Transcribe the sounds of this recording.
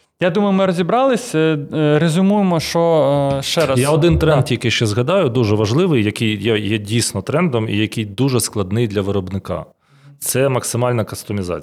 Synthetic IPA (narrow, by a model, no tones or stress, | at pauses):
jad̪umɐjʊmɪɾɔzʲibɾɑlˠɪsʲɾezʲʊmujɪmɔʃt͡ʃɔʃt͡ʃɛɾɐjjaɔd̪ɪnt̪ɾɛnt̪ʲːijɐkɪʃt͡ʃɛzɦɐd̪ɑjʊd̪uʒɛʋɐʒlˠɪʋɪjjɐkɪjjɛjɛdʲijsʲnɔt̪ɾɛnd̪ɔmijɐkijd̪uʒɛsklˠɐd̪nɪjd̪lʲɐʋɪɾɔbnɪkɑ̰ | t̪sɛmɐksɪmɑlʲnɐkɐst̪ɔmʲizɑ̰t͡sʲ